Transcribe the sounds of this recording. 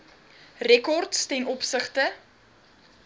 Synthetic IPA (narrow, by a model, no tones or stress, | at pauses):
rɛkɔrtstɛnɔpsəχtə